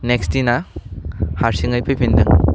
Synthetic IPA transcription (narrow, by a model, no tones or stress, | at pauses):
nekstina | haɾsiŋɐjpʰɐjpʰindɯŋ